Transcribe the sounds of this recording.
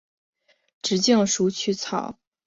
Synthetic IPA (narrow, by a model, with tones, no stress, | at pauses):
ʈ͡ʂɻ̩˧˥t͡ɕjɑ˥˩ŋʂu˧˥t͡ɕʰy˥˩t͡sʰɑ̰˨˩˦ʊ